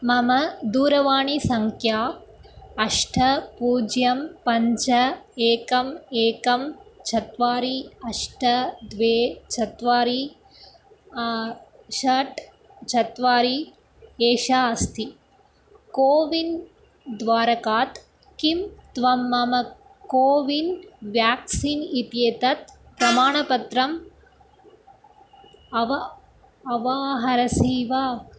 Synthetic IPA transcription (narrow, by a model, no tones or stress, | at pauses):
mɐmɐd̪uːɾɐʋaːɳisɐŋkʰjaː | ɐʂʈʰɐpuːd͡ʒjɐmpɐɲt͡ʃɐeːkɐmeːkɐmt͡ʃʰɐt̪ʋaːɾiɐʂʈʰɐd̪ʋeːt͡ʃʰɐt̪ʋaːɾi | ʃɐʈ | t͡ʃʰɐt̪ʋaːɾi | eːʃaːɐst̪ʰi | koːʋin | d̪ʋaːɾɐkaːt̪ | kimt̪ʋɐmːɐmɐ | koːʋinʋjaːksiːnit̪jeːt̪ɐt̪̚pɾɐmaːɳɐpɐt̪ɾɐm | ɐʋɐ | ɐʋaːɦɐɾɐsiːʋaː